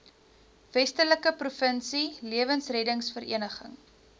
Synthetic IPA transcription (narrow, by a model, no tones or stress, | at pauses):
vɛstələkəprufənsiliəvənsrɛdəŋsfəɾḭənəχə̰ŋ